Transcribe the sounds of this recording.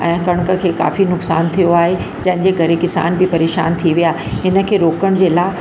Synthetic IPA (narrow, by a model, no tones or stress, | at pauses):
ɛ̃ːkɐɽ̃kə̆kʰeːka̰ːfinʊksa̰ːnt̪ʰijoaːɦe | d͡ʑɐ̃ɦɪ̃ɲd͡ʑekɐɾekɪsa̰ːnbɪpɐɾeːʃa̰ːnt̪ʰiʋijaː | ɦɪnə̆kʰeːɾoːkəɽ̃d͡ʑeːlaː